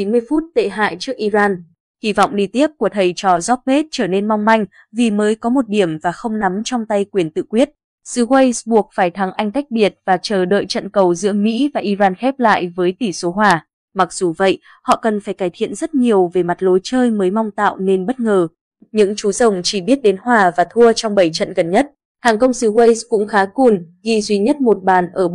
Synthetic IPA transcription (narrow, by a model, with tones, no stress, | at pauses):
i˨˦nmɨ˧əjfu˦˥t̚t̪ḛ˧˨ɦa̰ː˧˨jt͡ɕɨ˦˥ək̚ʔi˧zaː˧n | hi˧˩vɔ̰˧˨wŋ͡mɗi˧t̪i˦˥əp̚ku˧˩ət̪ʰə˨˩jt͡ɕɔ˨˩zɔ˦˥p̚ɓe˦˥t̚t͡ɕəː˧˩ne˧nma˧wŋ͡mma˧jŋ̟ | vi˨˩məː˨˦jkɔ˨˦mo˨˩t̚ɗi˧˩əmvaː˨˩xə˧wŋ͡mna˨˦mt͡ɕɔ˧wŋ͡mt̪a˧jkwi˨˩ənt̪ɨ̰˧˨kwi˦˥ət̚ | sɨ˨˧˦we˧jsɓu˨˩ək̚faː˧˩jt̪ʰa˨˦ŋʔa˧jŋ̟t̪a˦˥jk̟̚ɓi˨˩ət̚vaː˨˩t͡ɕəː˨˩ɗə̰ː˧˨jt͡ɕə̰˧˨nkə˨˩wzɨ̰˧˥əmḭ˧˥vaː˨˩ʔi˧zaː˧nxɛ˦˥p̚la̰ː˧˨jvəː˨˦jt̪i˧˩so˨˦ɦwaː˨˩ | ma˨˩k̚z̥u˨˩və̰˧˨jʔ | hɔ̰˧˨kə˨˩nfaː˧˩jkaː˧˩jt̪ʰḭ˧˨ənzə˦˥t̚ɲi˨˩əwve˨˩ma˨˩t̚lo˨˦jt͡ɕəː˧jməː˨˦jma˧wŋ͡mt̪a̰ː˧˨wne˧nɓə˦˥t̚ŋəː˨˩ | ɲɨ̰˧˥ŋt͡ɕu˨˦zə˨˩wŋ͡mt͡ɕi˧˩ɓi˦˥ət̚ɗe˨˦nɦwaː˨˩vaː˨˩t̪ʰu˧ət͡ɕɔ˧ŋ͡mɓə˧˩jt͡ɕə̰˧˨nɣə˨˩nɲə˦˥t̚ | haː˨˩ŋkə˧wŋ͡msɨ˨˦we˧jskʊ̰˧˥ŋ͡mxaː˨˦ku˨˩nɣḭ˧zwi˧ɲə˦˥t̚mo˨˩t̚ɓaː˨˩nʔəː˧˩